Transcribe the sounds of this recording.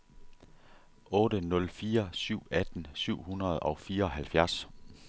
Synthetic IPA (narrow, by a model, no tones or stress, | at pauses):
ʔɔ̽ːɾ̥ənɔ̽lfiːɐsyʊ̰æd̥n̩syʊ̰hunʁɐð̞̩ˠɒ̽fiːɐɒ̽ɦælfjæɐs